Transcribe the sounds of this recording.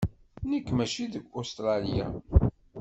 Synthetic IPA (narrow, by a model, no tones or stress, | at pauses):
nikːmæʃiðəɡʷost̪ɾˤɑljæ̰